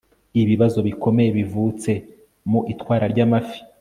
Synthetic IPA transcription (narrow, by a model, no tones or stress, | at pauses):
iβiβazo̞βikʰo̞me̞je̞βivut͡se̞ | muʔitwaːɾaɾɟamafi̥